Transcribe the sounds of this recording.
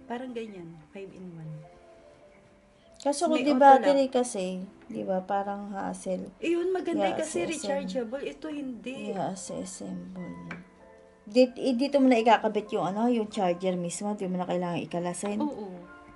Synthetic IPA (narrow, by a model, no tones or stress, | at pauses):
paːɾɐŋɡɐɲanfajvɪnwan | kasokod̪ɪbaːt̪ɛɾikɐsɛd̪ɪ̰bapaːɾɐŋha̰ʔsɛlʔjʊnmɐɡɐnaaʔkɐsɛɾɪst͡ʃaɹd͡ʒɐbɐlɛt̪ohɪnd̪ɛjaʔɐsɛ̰ʔɛsɛmbɐlna | d̪it̪ʔɪd̪iːt̪omʊnɐʔɪkaːkɐbɪt̪̚jʊŋɐno̞jʊŋt͡ʃaɹd͡ʒɛɾmismo̞d̪iːmonɐkɐjlaːŋɐŋʔɪkɐlasɛnoʔo